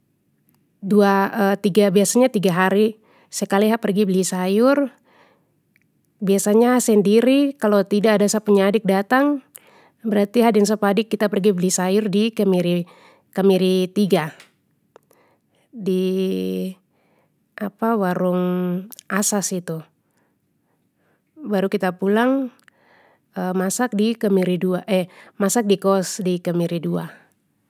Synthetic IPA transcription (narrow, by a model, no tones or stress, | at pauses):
duaət̪iɡabiasaɲat̪iɡaɦaɾi | səkaliɦapərɡibəlisajʊr | biasaɲasɛndiɾikalot̪idaːdasapəɲadɪk̚dat̪aŋ | bəɾart̪iɦadiaŋs̬apadɪkːit̪apərɡiblisajʊrdikəmiɾi | kamiɾit̪iɡa | di | ʔapawaɾʊŋ | asasit̪u | baɾukit̪apulaŋ | əmasak̚dikəmiɾiduaʔɛmasak̚dikɔsdikəmiɾidua̰